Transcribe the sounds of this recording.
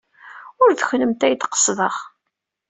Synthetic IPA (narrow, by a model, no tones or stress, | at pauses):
ʊɾðəçləmt̪æjt̪qə̥sˤðəχ